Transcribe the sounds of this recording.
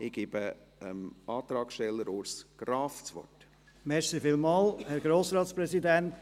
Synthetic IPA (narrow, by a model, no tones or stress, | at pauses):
ɪɡ̥iːbə | əmʔɑːt̪ɾɑːksʃtɛlːəɾoːɾsɡ̥ɾɑːft͡sʋɔ̰rt | mɛʃsifɪlmɑːlhɛɾɡɾoːsɾɑːt̪spɾɛsidænt̪